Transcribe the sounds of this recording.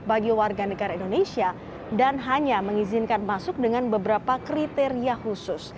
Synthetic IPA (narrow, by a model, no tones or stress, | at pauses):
baɡiwarɡanəɡaɾaindonesia | danɦaɲaməŋizɪnkanmasʊk̚dəŋanbəbəɾapakɾit̪eɾiahusʊs